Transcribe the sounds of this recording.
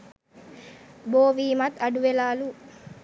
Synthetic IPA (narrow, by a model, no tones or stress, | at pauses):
boːʋiːmɐt̪ɐɖuʋelaːlu